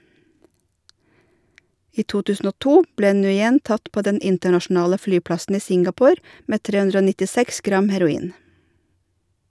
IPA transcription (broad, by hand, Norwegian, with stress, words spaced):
ˈiː ˈtuː ˈtʉːsn̩ ˈoː ˈtuː ˈbleː nʉːˈjɛn ˈtɑt ˈpoː ˈdɛn ˈɪntəɳɑʃn̩ˌɑːlə ˈflyːˌplɑsn̩ ˈiː ˈsɪŋɡɑˌpoːɾ ˈmeː ˈtɾeː ˈʉndɾə ˈoː nɪtɪˈsɛks ˈɡɾɑm hæɾʊˈiːn